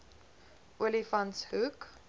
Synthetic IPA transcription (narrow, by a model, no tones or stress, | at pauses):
wɪlifãnshuk